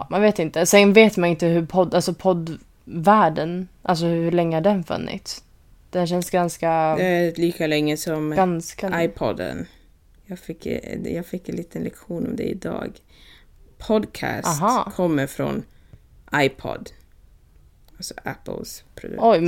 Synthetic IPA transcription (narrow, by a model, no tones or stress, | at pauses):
manveːt̪ɪnt̪əsɛnveːt̪manɪnt̪əɦɵɾpʰɔd̪alsɔpʰɔd̪ | væːɖənʔa̰ls̬ɔhhɵɭɛŋːəhaɖɛnfɵ̰nːɪ̰t̪s | d̪̥ɛnɕ̬ɛnsɡanskad̪liːkalɛŋːəsɔmɡanskaajpʰɔd̪ə̰n | jɑːɡfɪkːjɑːɡfɪkːɛnliːt̪ʰənlɛkɧuːnɔmd̪ɛ̰ɪd̪ɑ̰ːɡ | pʰɔd̪kʰæ̰ːsɦɑːkʰɔmːəɾfɾɔ̰n | ʔajpʰɔ̰d̪ | alsɔʔæpəlspʰɾʊd̪̰ʔɔj